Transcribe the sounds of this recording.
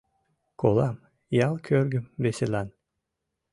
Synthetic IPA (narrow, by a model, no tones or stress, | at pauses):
kʰolˠɑm | jɑlˠkʰʲøɾɡymbeselˠɑn